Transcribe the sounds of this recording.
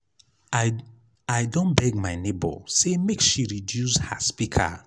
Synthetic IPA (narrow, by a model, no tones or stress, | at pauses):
ajdɔ̃nbɛɡ̚maɪnebɔ̰semekʃiɹidjusha̰spikʰa̰